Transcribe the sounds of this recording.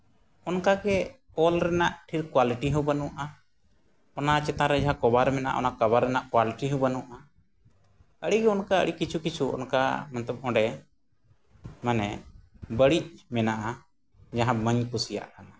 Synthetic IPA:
ɔnkaɡɛ | ɔlɾɛnaʔʈʰiɾkwaliʈiɦubənuaʔa | ɔnat͡ʃɛt̪aɾɛd͡ʒaɦãkɔbaɾmɛna̰ʔɔ̰nakabaɾːɛnaʔkwaliʈiɦũbənuʔa | əɽiɡɛɔnkaə̰ɽikit͡ʃʰukit͡ʃʰuɔ̰nka̰mant̪əb̚ɔ̃ɖɛ | manɛbəɽic̚mɛnaʔa | d͡ʒaɦãbəɲkusija̰ʔaa

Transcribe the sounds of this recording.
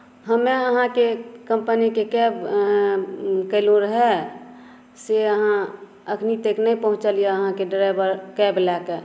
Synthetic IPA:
ɦəmeəɦãkekəmpənikekɛb | kəɪlũɾəɦɛ | seəɦã | əkʰnit̪eknəipəɦʊ̃t͡ʃəlijaəɦãkeɖɾaɪbəɾkɛblɛke

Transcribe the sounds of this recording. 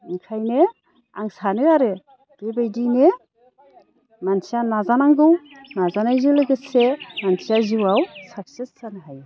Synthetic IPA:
ŋkʰajne | a̰ŋsanɯaɾɯ | d̥ebajdine | mansijanazanaŋɡɯwnazanajzɯlɯɡɯsemansiaziwawsak̚sissanɦaj

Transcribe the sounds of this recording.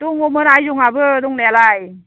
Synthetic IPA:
d̥ɔŋɔmɯnajzuŋabɯdɔŋlealaj

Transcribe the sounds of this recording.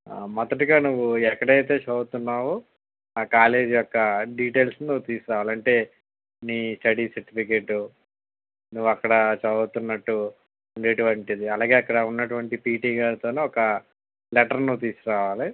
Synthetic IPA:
mɐd̪ɐʈiɡaːnuʋːuɛkːɐɽɐjt̪e̞ːt͡ʃɐːɡut̪unːaːwu | aːkaːle̞ːd͡ʒijɔkːɐɖiːʈe̞ːlsnuːt̪iːsuɾaːʋaːlɐɳʈe̞ː | niːsʈɐɽiːsɐɾʈipʰik̬eːʈːu | nuʋːuɐkːɐɽɐt͡ʃɐɐt̪unːɐʈːu | uɳɖe̞ːʈuʋɐɳʈid̪iɐlaːɡe̞ːɐkːɐɽɐunːɐʈuʋɐɳʈipiːʈiːɡaːɾt̪oːne̞ːɔkɐ | lɛʈɐɾnut̪iːsuɾaːʋaːli

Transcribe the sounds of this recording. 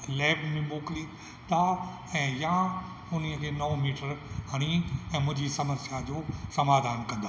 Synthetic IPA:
lɛːbmẽboːkli | t̪ʰa | ɛ̃ːja | ʊniəkʰeːnɐmiːʈəɾɦɐɽ̃iɛ̃ːmʊ̃ɦɪ̃ɲd͡ʑisɐməsjad͡ʑoːsɐmaːd̪ʱaːnkɐ̃nd̪a

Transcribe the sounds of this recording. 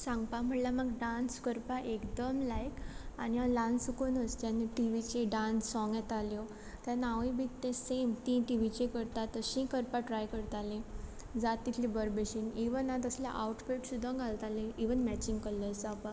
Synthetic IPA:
sãŋɡpam̤əɳlaməɡɖanskəɾpaʔekd̪əmlajkanialansukonəst̪aniʈiʋit͡ɕeɖãnsːɔ̃ŋɡɛt̪aljɔ | t̪anaʋibʱit̪ːẽsemt̪ĩʈiʋit͡ɕẽkəɾt̪at̪ːəɕĩkəɾpaʈɾajkəɾt̪alẽ | d͡zat̪ːit̪ʰlibəɾbeɕiniʋənat̪əslja̰ʔawʈpeʈsud̪ʱːə̃kɡʱalt̪alẽiʋənmæt͡ɕiŋɡkəlːəsapa

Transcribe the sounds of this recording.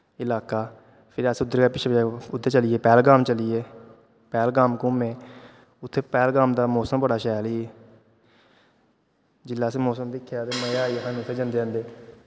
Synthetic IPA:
ɪlaːkaː | pʰɪɾəsʊd̪ːəɾkaːpɪʃʰeʊd̪ːəɾt͡ʃəlieːpɛːlɡaːmt͡ʃəliːeː | pɛːlɡaːmkʊːmẽː | ʊt̪ʰːeːpɛːlɡaːmd̪aːmoːsəmbəɽaːʃɛːliː | d͡ʒɪlːaːseːmoːsəmd̪ɪkʰːjaːt̪eːməjaːiɦãːnut̪ʰːeːd͡ʒə̃nd̪eːə̃nd̪eː

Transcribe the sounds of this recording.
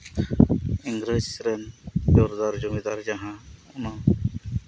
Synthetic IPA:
iŋɡɾed͡ʒɾɛnd͡ʒɔɾd̪aɾd͡ʒumɛd̪aɾd͡ʒaɦãɔna

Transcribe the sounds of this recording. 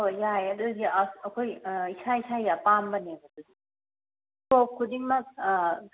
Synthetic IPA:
ojajɐdudiɐkʰojisaisajjapambɐneɡɐd̥udi | kop̚kʰudiŋmɐk̚ː

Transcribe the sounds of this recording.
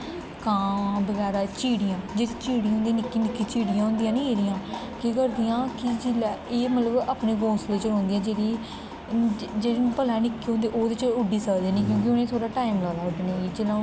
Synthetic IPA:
kãːbəɡɛːɾaːt͡ʃiːɽɪjãːd͡ʒeːɾiːt͡ʃiːɽiːɦʊ̃nd̪eiːnɪkːiːnɪkːiːt͡ʃiːɽɪjãːɦʊ̃nd̪ijãːnĩːeːɾɪjãː | keːkəɾd̪ɪjãːkɪd͡ʒɪlːeːmət̪ləbaːpneːkõːsleːt͡ʃəlɔ̃ːnd̪ijãːd͡ʒeːɾiː | d͡ʒeːɾinũːpəlãːnɪkːiːɦõnd̪eːʔoːd̪eːt͡ʃʊɖiːsəd̪ẽːnĩːk̬jõːk̬ɪʊnẽːt̪ʰoːɽaːʈaːɪmlaːlaːʊʈneːiːd͡ʒelõː

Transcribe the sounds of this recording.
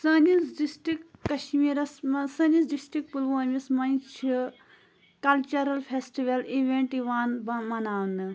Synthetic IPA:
sɐːnisɖisʈɾikːɐʃmiːɾɐsmɐsɐnisɖisʈɾik̚pulʋoːmʲismɐnt͡ʃʰi | kɐlt͡ʃɐɾɐlfʰesʈiʋɐliʋeɳʈiʋaːnbɐmɐnaːwnɨ

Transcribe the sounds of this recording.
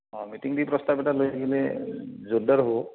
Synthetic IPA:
ɔ̃mitiŋdipɹɔst̪apɛtalojaɡilɛzodaɹɦo

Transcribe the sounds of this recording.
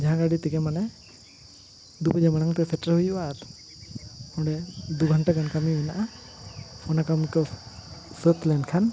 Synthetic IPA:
d͡ʒaɦãɡaɽit̪ikɛmanɛ | d̪upəd͡ʒaməɽ̃aŋt̪ɛsʰɛʈɾaɦujuwaɾ | ɔ̃ɖɛd̪uɡʱəɳʈaɡankamiinaʔa | pʰɔnakamikɔ | sət̪lɛnkʰan

